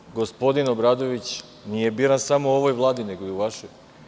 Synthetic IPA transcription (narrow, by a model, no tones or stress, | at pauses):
ɡo̞spo̞d̪inobɾaːd̪o̞ʋit͡ɕ | nije̞biɾansamouo̞ʋojʋlˠaːd̪ine̞ɡoiuʋaʃoj